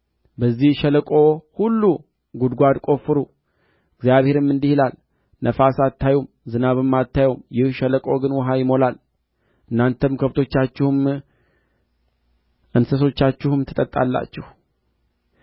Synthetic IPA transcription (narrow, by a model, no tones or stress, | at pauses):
bəzːihʃɛləkʼo̞hulːu | ɡud̪ɡʷad̪kʼo̞fɨɾu | ɨɡzjaβhe̞ɾɨmːɨnd̪ihilal | nʔəfasat̪ːajom | zɨnaβɨmːat̪ːajomjɪhʃələkʼo̞ɡɨnwɔɦajɪmo̞lal | ʔɨnːant̪ʰəmkʰəβt̪ʰo̞t͡ʃːat͡ʃːɪhɨm | ʔɨnsəs̬o̞t͡ʃːat͡ʃːɪhɨmt̪ʰə̥t̪ʼət̪ʼːa̰lːa̰t͡ʃːɛh